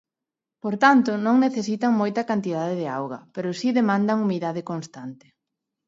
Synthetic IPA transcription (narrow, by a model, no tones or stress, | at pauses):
poɾt̪ant̪ʊnõŋneθesit̪aŋmojt̪ɐkant̪ið̞aðeðɪawɣɐpeɾʊsiðemãnd̪ɐŋumiðaðekonst̪ant̪ɪ̥